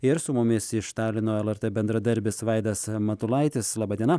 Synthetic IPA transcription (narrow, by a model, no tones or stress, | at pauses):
ɪɾsʊmʊmʲɪsɪʃt̪ɑːlʲɪnoːɛlˠɛɾt̪ɛbʲɛnd̪ɾɐd̪ɐɾʲbʲɪsʋɐɪd̪ɐsmɐt̪ʊlˠɐɪt̪ʲɪslˠɑːbɐd̪ʲiɛnɐ